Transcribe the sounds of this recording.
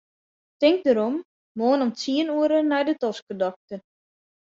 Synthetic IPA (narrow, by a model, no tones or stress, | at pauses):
tɪŋk̚dəɾom | moːnɔmt͡siənuəɾənɛjdətɔskədɔk̚tə